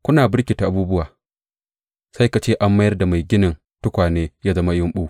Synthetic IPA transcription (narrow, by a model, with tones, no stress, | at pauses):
kʷʊ˦naː˨bɪ˦rkʲiː˨ta˨ʔa˨buː˦bʊ˦waː˨ | sa˦jka˨t͡ʃeː˦ʔa˦mːa˦jɐ˦rda˨ma˨jɡʲɪ˦nɪ˨n | tʊ˦kʷaː˨neː˦jaː˦zɐ˦ma˦jʊ˦mɓuː˦